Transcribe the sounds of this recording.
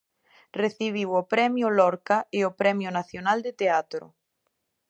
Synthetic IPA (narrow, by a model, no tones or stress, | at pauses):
reθiβ̞iwopɾɛmjʊlɔɾkaɪopɾɛmjʊnaθjonald̪et̪eat̪ɾʊ̰